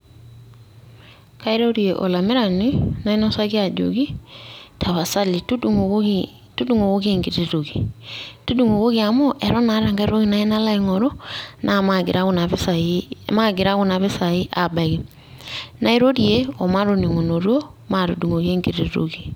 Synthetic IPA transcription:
ka˦i˦ɾo˦ɾje˨ʔɔ̰˨la˨mɪ˦ɾa˨ni˦na˦i˦nɔ˦sa˦ɣi˦a˨d͡ʒṵ˨ɡi˦tʰa˨βa˨sa˦li˨tu˦du˨ŋ˦i | tu˦du˦ŋo˨ɣo˦ɣe˦ŋɡi˨ɾi˨ɾo˨ɡi˨tu˦du˦ŋo˨ɣo˦ɣi˦a˨mo˦ʔɛ˨ɾɔ˦na˨˦ɾa˨ŋɡa˦ɾo˦ɣi˦na˨i˦na˦la˦iŋɔ˨ɾɔ˦nʔa˨ma˨ɡɾa˦na˨βsa˨ma˦ɡɪ˨ɾa˦ɣu˦na˨βɪ˦sa˨ɪ˦ʔa˨ba˨ɣi˨ | na˦i˦ɾo˦ɾje˦ɔ˨ma˦ɾo˦ni˨ŋo˨no˨ɾo˦ma˦ɾu˨du˨ŋo˨ɣe˦ŋɡi˨ɾi˨ɾo̰˨ɡi˨

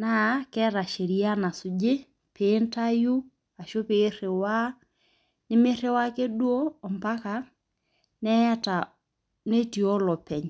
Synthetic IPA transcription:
na˦kɛ˦ɾa˨ʃe˨ɾi˦a˦na˨sʊ˨d͡ʒe˦ | pe˨˦nta˦ju˦ | a˨ʃo˦pe˦re˨wa˦ | nɪ˦mɪ˦ɾe˦wa˦ke˦dwoː˦˨mba˦ka˨ | nɛ˦ja˦ta˨ | ne˦ti˨ɔ˦lɔ˨pɛ˨ɲ

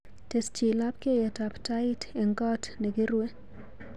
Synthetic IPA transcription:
te˨st͡ʃi˨la˦p̚ke˦jɛ˨ta˨ptaɪte˨ŋɡɔ˦tne˨ɡɪ˦ɾwe˦

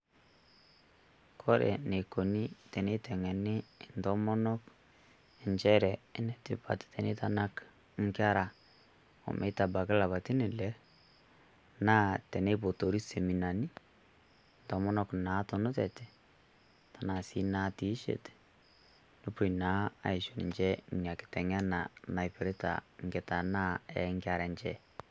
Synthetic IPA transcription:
kʰɔ˦ɾḛ˨ne˨ko˨ni˦tɛ˨ne˦tɛ˨ŋɛ˨nɪ˦ntɔ˦mɔ˦nɔ˦k | ɪ˨ɲt͡ʃɛ˦ɾɛ˨ɪ˦nɛ˦tɪ̰˨pa̰˨ttɛ˨ne˦ta˦na˦k | ŋ˦kɪ˦a˦ɾa˨ | o̰˨mʔe˨˦ta˨ba˨kɪ˦la˨βa˨ti˦nɪ˨lɛ˦ | naː˦tɛ˨ne˦po˨to˨ɾi˦se˨mi˨na˨ni˦ | ntɔ˨mɔ˦nɔ˦kna˨˦to˨nʊ˦tɛ˨tɛ̥˨ | ta˨na˨si˦na˦ti˦ʃḛ˨t | nʊ˦pʊ˨na˦a̰˨ɪ˨ʃu˨nɪ̰˨ɲt͡ʃɛ˦˨ɲa˨kɪ̥˨tɛ˨ŋa˦na˨na˨jpe˨ɾe˦ta̰˨ŋɡɛ˨ta˨na˦ɛ̰˨ŋka˨ɾa˨nt͡ʃɛ

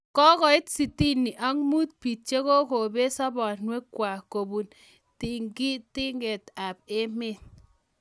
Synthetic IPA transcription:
kɔ˦kɔ˨ɪ˦tsi˨ti˦ni˨ʔa˦ŋmu˦t̚pi˨t̚t͡ʃe˦ko˦ko˨be˦sɔ˦bɔ˨nwe˦kːwa˨ko˨bu˨n | ti˦ŋɡi˦ti˦ŋɡe˨ta˨pe˦me˦

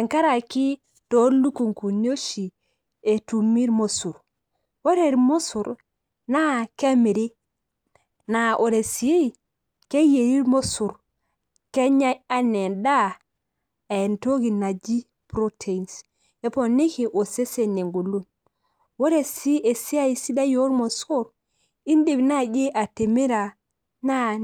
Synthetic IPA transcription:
e˨ŋka˦ɾa˨ki˦ | to˨˦lu˦ku˨ŋku˨no˦ʃi˨ | e˨tu˨mi˦ɾmo˦su˨ɾ | wo˦ɾe˨ɾmo˦su˨ɾ | na˦ke˦mi˨ɾi˦ | na˨ʔo˨ɾe˨si˨je˦˨ | ke˦je˨ɾi˦ɾmo˦su˨ɾ | ke˦ɲa˦ja˦ne˨nda˦ | a˨e˨nto˦ɡi˨na˨d͡ʒi˦ | pɾo˦tʰe˨i˨ns | e˦po˨ne˦ke˨ʔo˨se˦se˨ne˨ŋɡu˨lu˦n | wo˦ɾe˨si˦ʔe˨si˦a˦i˨si˦da˦jo˦ɾmo˨su˦ɾ | i˦nde˨bna˦d͡ʒe˦ʔa˨te˨mi˦ɾa˨ | na˦

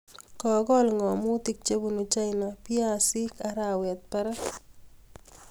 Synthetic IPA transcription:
kɔ˨ɡɔ˦lŋɔ˨mʊ˦ti˦k̚t͡ʃe˦bu˦nu˨t͡ʃa˦ɪna˨pɪ˦a˦˨sɪ˦ka˦ɾa˦˨wɛ˨t̪̚pɛ˦ɾa˦

